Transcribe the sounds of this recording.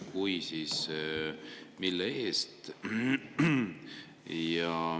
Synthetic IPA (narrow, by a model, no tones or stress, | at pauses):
kujsiːs | milːee̞ːst̪ | jɑ